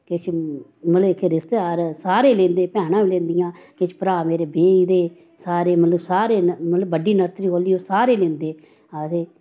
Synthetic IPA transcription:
kɪt͡ʃʰməlkɾɪst̪eaːɾsaːɾeːlẽːnd̪eːpɛ̃ːnãːʋiːlẽːnd̪ɪjãːkɪt͡ʃʰpəɾaːmeːɾeːbeːid̪eː | saːɾeːmət̪ləbsaːɾeːmət̪ləbːəɖiːnəɾt̪ɾiːɦoːliːoːsaːɾeːlẽːnd̪eː | aːt̪eː

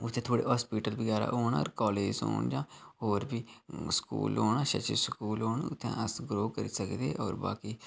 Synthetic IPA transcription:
ʊt̪ʰːẽːt̪ʰoːɽḛːɦɔːspiːʈəlbəɡaːɾa̰ːoːɳɔ̰ːɾkɔːleːd͡ʒo̰ːɳd͡ʒãːhoːɾbiːskṵːloːɳaːʃə̰t͡ʃiskuːlɦoːɳʊt̪ʰːɛ̰̃ːʔəsɡɾoːkəɾiːsəkd̪eːʔɔːɾba̰ːkiː

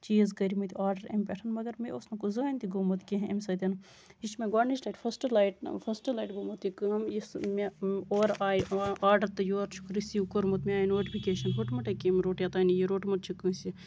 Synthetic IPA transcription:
t͡ʃiːzkɐɾimɐt̪iaːɾɖɐɾḛmʲpʲeʈʰɐnmɐɡɐɾmeosnɐkuzɨɐnʲt̪ʲiɡomɐt̪kʲeɦḛmʲsɐt̪ʲɐn | it͡ʃmeɡaːɽnit͡ʃlaːjʈfʰɐsʈlajʈfʰɐsʈlajʈɡoːmɐt̪ikɨɦɐmismeoːɾaːjaːɾɖɐɾt̪ɨjoːɾt͡ʃʰu̥kɾisiukoɾmɐt̪mʲeaːjinoːʈipʰikeːʃɐnɦʰoʈmɐʈɐkemiɾoːʈjat̪aːnijiɾoːʈmɐʈt͡ʃʰukɨsi

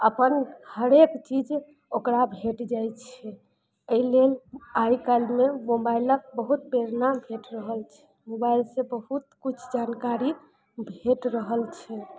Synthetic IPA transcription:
əpənhəɾekt͡ʃid͡ʒ | okɾabʱeʈd͡ʒajt͡ʃʰɛ | əilelaikalmemobailək̚bəɦut̪̚peɾnabʱeʈɾəɦəlt͡ʃʰɛ̥ | mobailsẽbəɦut̪̚kut͡ʃʰd͡ʒankaɾi | bʱeʈɾəɦəlt͡ʃʰɛ

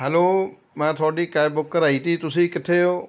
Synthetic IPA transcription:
ɦɛloː | mãːt̪ʰɔːɖiːkajbʊkːəɾaːit̪iːt̪ʊsiːkɪt̪ʰeo

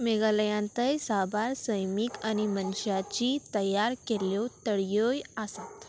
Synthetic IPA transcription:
meɡaləjãnt̪əjsabaɾsəjmikañimənɕjat͡ɕit̪əjaɾkeljɔt̪əɽjojasat̪

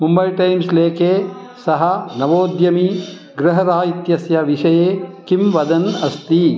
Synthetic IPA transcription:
mumbɐjʈɐjmsleːkʰeː | sɐɦɐnɐʋoːd̪jɐmi | ɡɾɐɦɐɾaːjit̪jɐsjɐʋiʂɐjeːkimʋɐd̪ɐnɐst̪i

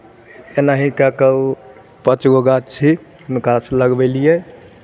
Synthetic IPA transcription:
enaɦĩkakə | pət͡ʃɡoɡat͡ʃʰi | nkasləɡbelije

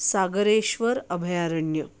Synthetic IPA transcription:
saɡəɾeʃʋəɾəbʱjaɾəɳjə

